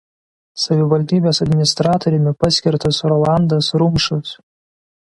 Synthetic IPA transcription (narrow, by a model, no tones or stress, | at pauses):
sɐʋʲɪʋɐlʲd̪ʲiːbʲeːsɐd̪ʲmʲɪnʲɪst̪ɾɑːt̪oɾʲɛmʲɪpɑsʲkʲɪɾt̪ɐsɾɔlˠɑˑnd̪ɐsɾʊmʃʊs